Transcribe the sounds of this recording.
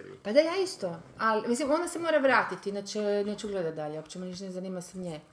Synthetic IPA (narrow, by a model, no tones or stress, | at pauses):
pad̪ajaːist̪o | alimislimo̞nasemoːɾaʋɾaːt̪it̪inat͡ʃeneːt͡ʃuɡled̪at̪̚d̪aʎeopt͡ʃemoniʃnezaniːmasemɲe